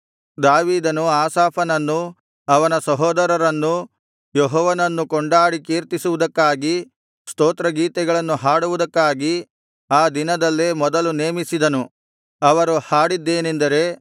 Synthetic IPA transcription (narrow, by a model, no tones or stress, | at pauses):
d̪aːʋiːd̪ɐnuaːsaːpʰɐnɐnːu | ɐʋɐnɐsɐɦɔːd̪ɐɾɐɾɐnːu | jɔɦɔːʋɐnɐnːukɔɳɖaːɽikiːɾt̪isuʋud̪ɐkːaːɡi | st̪oːt̪ɾɐɡiːt̪ɛɡɐɭɐnːuɦaːɽuʋud̪ɐkːaːɡi | aːd̪inɐd̪ɐlːemɔd̪ɐluneːmisid̪ɐnu | ɐʋɐɾuhaːɽid̪ːe̞ːnend̪ɐɾe̞